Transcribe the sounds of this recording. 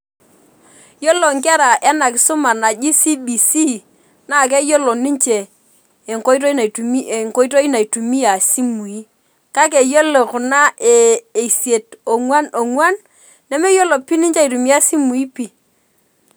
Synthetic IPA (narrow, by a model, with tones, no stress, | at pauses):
jo˦lo˨ŋka˦ɾa˨ʔa˦na˨kɪ˨sʊ˦ma˨na˨d͡ʒi˦si˦bi˨si˦ | na˦˨k̬ɛ˦jo˦lo˨ni˦ɲt͡ʃɛː˨ | ŋko˦i˦to˦i˦na˨tu˨mi˦˨ŋko˦i˦to˦i˦na˨i˨tu˨mi˦a˨si˦mu˨i˦ | ka˦k̬e˨jo˦lo˨kʊ˨na˦ʔeː˨sje˨to˨ŋwa˦no˨ŋwa˦nː | ɛ˦me˦jo˦lo˨pi˦ni˦ɲt͡ʃa˦i˨tu˨mi˦a˦si˦mu˨i˦pi˨